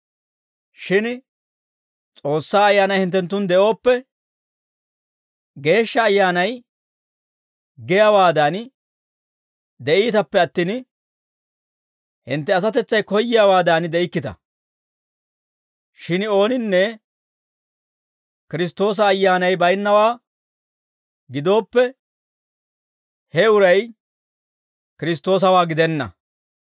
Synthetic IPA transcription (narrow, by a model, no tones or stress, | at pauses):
ʃɪn | t͡sʼo̞ːsːaːɐjːaːnɐjhɪnt̪ːɛnt̪ːʊnd̪ɛʔo̞ːpːɛ | ɡe̞ːʃːɐːjːaːnɐj | ɡɛjawaːd̪ɐaːn | d̪ɛʔiːt̪ɐpːɛɐt̪ːɪn | hɪnt̪ːɛɐs̬ɐt̪̬ɛt͡sːɐjkɔjːɪjawaːd̪aːnd̪ɛɪkːɪt̪ɐ̰ | ʃɪno̞ːnɪnːɛ | kɪɾɪst̪o̞ːs̬ɐːjːaːnɐjbɐjnːɐwaː | ɡɪd̪o̞ːpːɛ | hɛʊɾɐj | kɪɾɪs̬t̪ːo̞ːs̬ɐwaːɡɪd̪ɛnːɐ̰